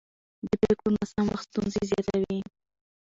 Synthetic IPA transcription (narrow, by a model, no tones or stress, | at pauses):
d̪əpɾeklomasamwaxst̪unzezjɑt̪awi